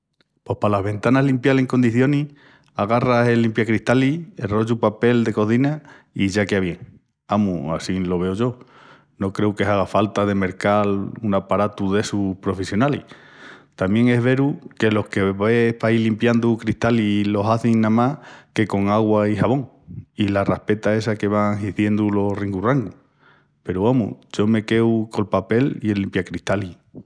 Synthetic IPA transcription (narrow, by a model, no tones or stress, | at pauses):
po̞hpalaɦβe̞nt̪anaɦlimpjale̞ŋko̞nd̪iθjo̞ni | aɣ̞arase̞lːimpjakɾiht̪aliero̞ʝupape̞ld̪e̞ko̞θina | iʝakeaβje̞ŋ | amua̰silo̞β̞e̞oʝo̞ | no̞kɾe̞uke̞saɣ̞afalt̪aðe̞me̞ɾkalunapaɾat̪uðe̞suhpɾo̞fe̞sjo̞nali | t̪amje̞ŋe̞ɦβe̞ɾuke̞lo̞hke̞βehpailimpjand̪ukɾiht̪alilo̞saθiŋnãmahke̞ko̞ŋaɣwaiɦaβo̞ŋ | ilarahpe̞t̪ae̞sake̞βaŋɦiθje̞nd̪ulo̞riŋɡuraŋɡu | pe̞ɾuamṵɟ͡ʝo̞me̞ke̞wko̞lpape̞lielimpjakɾiht̪ali